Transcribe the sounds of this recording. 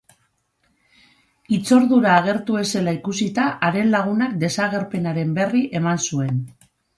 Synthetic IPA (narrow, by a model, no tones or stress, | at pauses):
it͡so̞ɾðuɾaːɣ̞e̞ɾt̪ue̞se̞laikusit̪aʔaɾe̞nlaɣ̞unakd̪e̞saɣ̞e̞ɾpe̞naɾe̞mbe̞riʔe̞mansue̞n